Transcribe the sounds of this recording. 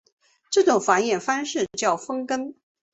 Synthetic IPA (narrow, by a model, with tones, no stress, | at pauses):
ʈ͡ʂɤ˥˩ʈ͡ʂʊ˨˩ŋfa˧˥njɛ˥˩nfa˥nʂɻ̩˥˩t͡ɕjɑ˥˩ʊfə˥ŋkə˥n